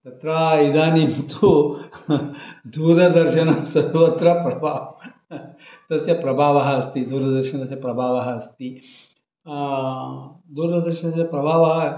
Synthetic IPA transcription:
t̪ɐt̪ɾaːid̪aːnint̪u | d̪uːɾɐd̪ɐɾʃɐnɐsɐd̪ʋɐt̪ɾɐpɾɐbʱaː | t̪ɐsjɐpɾɐbʱaːʋɐɦɐːst̪id̪uːɾɐd̪ɐɾʃɐnɐt̪ɐsjɐpɾɐbʱaːʋɐɦɐɐst̪i | d̪uːɾd̪ɐd̪ɐɾʃɐnɐt̪ɐsjɐpɾɐbʱaːʋɐɦɐ

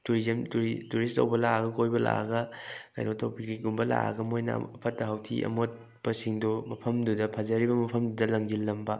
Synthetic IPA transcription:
tuɾizɐmtuɾituɾistɐ̰wbɐlaaɡɐkojbɐla̰ɡɐkɐ̰jnʔotʰowpik̚ɾiɡumbɐla̰ɡɐmojnɐ̰ɐpʰɐtːɐɦawtʰḭʔɐ̰mot̚ | b̥ɐsiŋdomɐpʰɐmdudɐpʰɐzɐɾibɐmɐpʰɐmdudɐlɐŋd͡ʒilːɐmbɐ

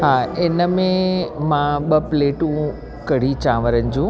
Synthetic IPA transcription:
ɦaːɪnəmẽmãɓəpleːʈũ | kɐɽ̤it͡ɕãːʋəɾənɪ̆d͡ʑũː

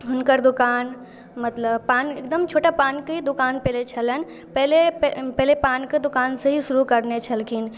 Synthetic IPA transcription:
ɦʊnkəɾd̪ʊkaːn | mət̪ləbpaːnek̚d̪əmt͡ʃʰoːʈapaːnkəid̪ʊkaːnpɛɦlet͡ʃʰələn | pɛɦleppɛɦlepaːnkəd̪ʊkaːnseɦisʊɾukəɾnet͡ʃʰəlkʰin

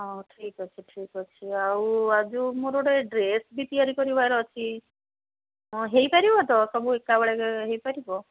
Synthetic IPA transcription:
ɔʈʰikɔt͡ʃʰiʈʰikɔt͡ʃʰiawad͡ʒumoɾoɽeɖɾesbit̪iaɾikɔɾibajɾɔt͡ʃʰi | ɔ̃ɦejpaɾibɔt̪ɔsɔbuekːabɔɭekeɦejpaɾibɔ

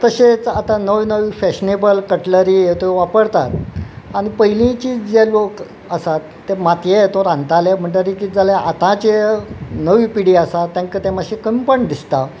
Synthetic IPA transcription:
t̪əɕet͡sat̪anəʋinəʋifɛɕnebəlkəʈləɾijet̪oʋapəɽt̪at̪ | aɽ̃ipəilĩt͡ɕiːd͡zelok | əsaːemat̪jet̪oɾãnt̪alem̤əɳʈ̪əɾikid͡zalaʔat̪ãt͡ɕenəʋiːpiɽiasat̪ːjãŋkət̪emaɕekəmpəɳd̪ist̪a

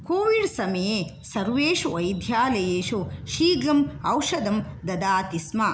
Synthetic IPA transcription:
koːʋiɖsɐmɐje | sɐɾʋeːʃuɐjd̪ʱjaːlɐjeːʃuʃiːɡɐmɐwʃɐd̪ɐmd̪ɐd̪aːt̪ismɐ

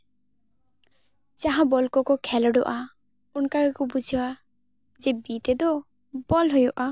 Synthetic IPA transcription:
t͡ʃaɦãbɔlkɔkɔkʰɛlɔɖɔ̰ʔa | unkakakɔbud͡ʒʱiwa | d͡ʒebit̪ed̪ɔ | bɔlɦojɔʔa

